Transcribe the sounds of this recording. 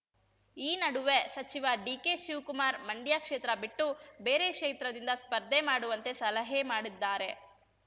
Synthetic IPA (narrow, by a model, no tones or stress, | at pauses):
iːnɐɽuʋe̞sɐt͡ʃiʋɐɖiːkeʃiʋkumaːɾmɐɳɖjaːkʂeːt̪ɾɐbiʈːube̞ːɾe̞kʂeːt̪ɾɐd̪ind̪ɐspɐɾd̪ʱːemaːɽuʋɐnt̪e̞sɐlɐɦemaːɽid̪ːaːɾe̞